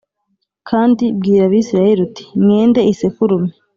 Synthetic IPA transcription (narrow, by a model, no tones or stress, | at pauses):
kʰaːndib̚ɡiːɾaβiːsiɾajeɾuti̥mŋeːnde̞ise̞fuɾume̥